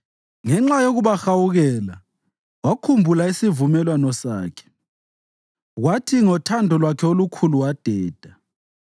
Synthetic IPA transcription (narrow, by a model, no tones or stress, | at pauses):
ŋɛŋ͡ǁajoɣuβaxawuɣɛːla | wakʰumbʱulaisivumɛlwanɔsaːkʰɛ̥ | ɣwatʰiŋɔtʰandʱɔlwakʰɛolukʰuluwad̥ʱɛːd̥ʱa